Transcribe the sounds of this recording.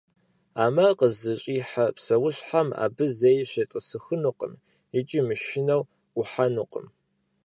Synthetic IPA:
aːmɐqəzɨɕʼiːħapsɐwʊɕħama̰ːbɨzejɕetʼəsɨxɨnuqʼə̰m | ɪt͡ʃʼimɨʃɪnɐw | ʊħanuqʼə̰m

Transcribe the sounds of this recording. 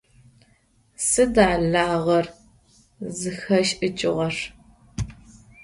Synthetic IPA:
sɨdaːɮaːʁɐr | zɨxɐʃʔɨt͡ʃʼɪʁɐʂ

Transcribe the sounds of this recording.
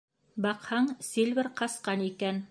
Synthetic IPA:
bɑqhɑɴsilʲβɘɾqɑsqɑnikæn

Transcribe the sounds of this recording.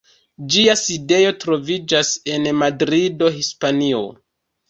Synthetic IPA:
d͡ʒiaside̞jo̞tɾo̞vid͡ʒase̞nmadɾido̞ɦispanio̞̰

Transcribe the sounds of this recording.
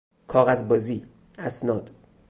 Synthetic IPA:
kʰɒːɣæzbɒːziː | æsnɒːd̪̥

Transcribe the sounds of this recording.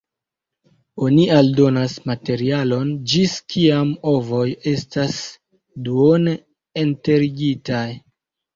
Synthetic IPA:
o̞nialdo̞nasmate̞ɾialo̞nd͡ʒiskiamo̞vo̞je̞stas | duon | ente̞ɾiɡitaj

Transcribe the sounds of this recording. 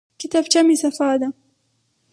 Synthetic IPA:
kɪt̪aːbt͡ʃamiːsafaːd̪a

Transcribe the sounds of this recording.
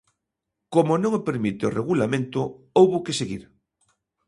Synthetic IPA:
komʊnõŋopeɾmit̪ɪoreɣulamẽnt̪ʊ | owβʊkɪseɣḭɾ

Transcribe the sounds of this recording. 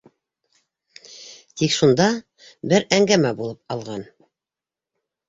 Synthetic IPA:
t̪ikʃund̪ɑ | bɘɾæŋɡæmæbulˠɤp̚ɑlˠʁɑn

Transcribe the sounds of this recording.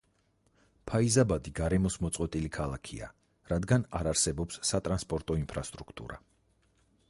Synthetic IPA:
pʰaizabad̪iɡaɾɛmɔsmɔt̪sʼqʼwɛt̪ʼilikʰalˠakʰḭa̰ | ɾad̪ɡanaɾaɾsɛbɔpsːat̪ʼɾanspʼɔɾt̪ʼɔimpʰɾast̪ʼɾukʰt̪ʼṵɾa̰

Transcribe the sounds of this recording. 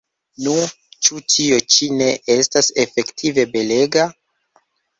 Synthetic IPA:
nu | t͡ʃutʰio̞t͡ʃine̞ʔe̞stase̞fe̞ktʰive̞be̞le̞ɡa

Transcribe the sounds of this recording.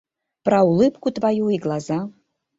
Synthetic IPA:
prawlɨpkʷutʼvajuiɡlˠaza

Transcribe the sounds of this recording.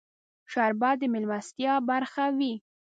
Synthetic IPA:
ʃaɾbɑd̪əmɪlmast̪jɑbaɾxawi

